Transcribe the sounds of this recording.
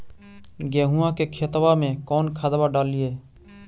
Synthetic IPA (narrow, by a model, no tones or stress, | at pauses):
ɡɛːɦuãkekʰeːt̪wamẽkɔːnkʰaːd̪baɖaːlieː